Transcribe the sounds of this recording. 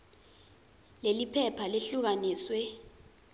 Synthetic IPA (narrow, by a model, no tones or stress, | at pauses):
lelipʰɛpʰaleɬuk̬aniːswɛ